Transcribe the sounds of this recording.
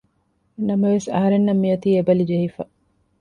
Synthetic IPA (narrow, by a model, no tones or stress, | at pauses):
nɐmɐʋesɐ̰ɦɐɾenːɐmːijɐt̪iːebɐlid͡ʒeɦifɐ